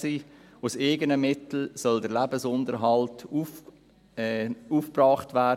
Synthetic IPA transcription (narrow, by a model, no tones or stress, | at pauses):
siː | useɡənəmɪtl̩sœldəɾlæbəsʊndəɾɦɑltuf | uːfprɑːχtvæː